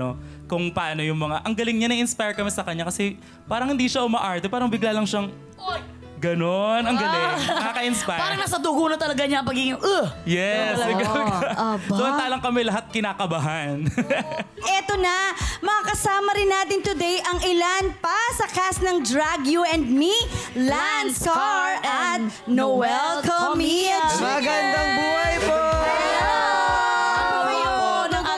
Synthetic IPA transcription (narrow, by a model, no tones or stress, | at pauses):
okʊŋpɐʔaːno̞jʊŋmɐŋaʔɐŋɡɐlɪŋɲanɐʔɪnspajɹkɐmɛsɐkɐɲːakɐsɛ | paːɾɐŋhɪnd̪iːʃɐʔʊmɐʔaɹt̪ɛpaːɾɐŋbɪɡlaːlɐŋʃɐŋ | ɡɐno̞nɐŋɡɐlɪɐkakɐʔɪnspajpaːɾɐŋnasɐd̪uɡunɐt̪ɐlɐɡaɲaɐpɐɡiɡɪŋʊŋʔɐjɛsɪɡaʔad̪ʊʔɐnt̪aːlɐŋkɐmɛlɐɦat̪̚kɪnaːkɐbaɦɐn | ʔɛt̪onɐmɐkakɐsaːmɐɾɪnːaːt̪ɪnt̪ʊd̪ɛjʔɐŋʔɪlanpasɐkasnɐŋd̪ɾaɡjuʔɛnd̪̚milanskaɹɐt̪̚ | nowɛlkɐmimɐɐɡɐnd̪ɐŋbuːhɐjpo | nɐ